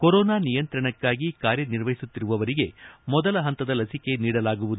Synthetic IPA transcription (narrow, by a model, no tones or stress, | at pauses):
kɔɾoːnaːnijɐnt̪ɾɐɳɐkːaːɡikaːɾjɐniɾʋɐɦjisut̪ːiɾuʋɐʋɐɾiɡe̞mɔd̪ɐlɐɦɐnt̪ɐd̪ɐlɐsike̞niːɽɐlaːɡuʋud̪u